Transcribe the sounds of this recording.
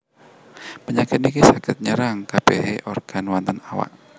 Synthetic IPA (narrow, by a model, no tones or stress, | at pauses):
pəɲakɪt̪̚nikisakɪt̪̚ɲəɾaŋkabeɦeʔɔrɡ̥anwant̪ənawa̰ʔ